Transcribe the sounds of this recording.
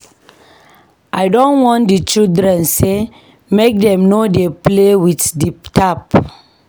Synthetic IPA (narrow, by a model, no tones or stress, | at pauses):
ʔaɪdɔ̃nwɔ̃ndit͡ʃildɾɛ̃nse | mek̚dɛ̃mnodeplewitdiptʰap